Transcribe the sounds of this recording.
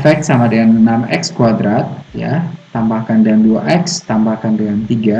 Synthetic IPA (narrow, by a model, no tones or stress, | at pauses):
efɛk̚t̪̚samadəŋanənamɛkskwadɾat̪̚ja̰t̪ambahkandəanduaʔɛkst̪ambahkandəŋant̪iɡa